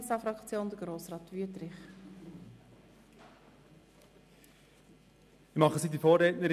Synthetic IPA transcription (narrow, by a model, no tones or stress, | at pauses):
sɑfɾɑkt͡sjoːnd̪əɡ̥ɾoːsrɑːt̪ʋyətɾɪχ | ɪmɑχəsiːdifoːɾɛtnəɾ